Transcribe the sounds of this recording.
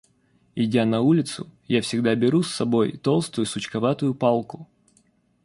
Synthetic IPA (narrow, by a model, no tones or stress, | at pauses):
ɪdʲanɐulʲɪt̪sʊjafsʲɪɡd̪abʲɪɾusːɐbo̞jt̪o̞lˠst̪ʊjʊsʊt͡ɕkɐvat̪ʊjʊpalˠkʊ